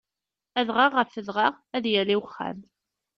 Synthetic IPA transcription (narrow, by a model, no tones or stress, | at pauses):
æðʁaʁːəfəðʁaʁ | æðjæliwχːæ̰m